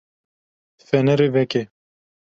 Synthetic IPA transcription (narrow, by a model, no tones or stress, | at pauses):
fɛnɛɾevɛke